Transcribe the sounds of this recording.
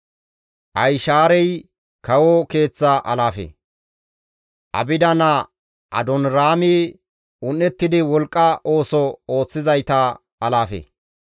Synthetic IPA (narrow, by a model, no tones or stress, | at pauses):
ʔɐjʃaːɾɛj | kɐwɔke̞ːt͡sːɐʔɐlaːfḛ | ʔɐ̰bɪd̪ɐnɐ | ʔɐ̰d̪ɔnɾaːmɪ | ʊnːɛt̪ːɪd̪ɪwɔlkʼːɐʔo̞ːsɔo̞ːt͡sːɪzɐjt̪ɐ | ɐlaːfḛ